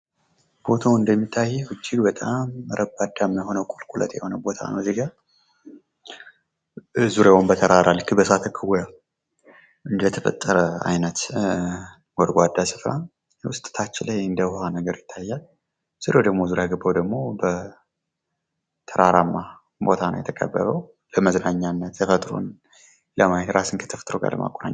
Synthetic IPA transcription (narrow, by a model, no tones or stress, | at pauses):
bo̞t̪ʰawɨnd̪əmːit̪ʰːajɛwɨd͡ʒːɪɡbət̪ʼamɾʔəbad̪amjho̞nəwkʼolkʷʼulə̰t̪jɛho̞nəwbo̞t̪ʰa̰nə̰wzeɡa | zuɾewɔmbət̪ʰəɾaɾalːɨkʰːɨbəsat̪ʰəkʰːɨwɔja | ʔɨnd̪ət̪ʰəfə̰t̪ʼːəɾəa̰jnət̪ | wɔd̪ɡʷad̪ːasɨfɾan | jwʊst̪ʼɨ̥t̪ʰat͡ʃːɪlajɨnd̪əhanəɡəɾjɪt̪ʰːajːal | z̥uɾewd̪əɡmo̞zuɾjaɡɨbːəwd̪əɡmo̞bə | t̪ʰəɾaɾamːa | bot̪ʰanə̰wjɛ̰t̪ʰəkʼə̰bːə̰βəw | ləməznaɲːanːət̪ʰːəfət̪ʼɾo̰n | ləmajetɾasɨnkʰə̥t̪ʰəfə̥t̪ʼɾoɡa̰lə̰ma̰kʼona̰ɲː